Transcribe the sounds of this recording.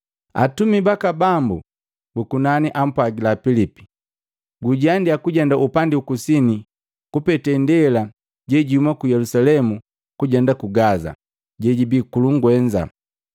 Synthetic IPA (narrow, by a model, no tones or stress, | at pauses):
a̰tumibakabambu | bukunaniʔam̩pwaɡilapilipi̥ | ɡuɟandiakuɟɛndaʔupandiukusini | kupɛtɛndɛla | ɟɛɟihumakujɛlusalɛmu | kuɟɛndakuɡaza̰ | ɟɛɟibikuluŋɡwɛɲd͡ʒa̰